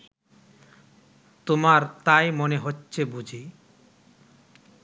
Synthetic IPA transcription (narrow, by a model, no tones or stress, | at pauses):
t̪omaɾt̪ajmoneɦotːɕʰebud͡ʑʱi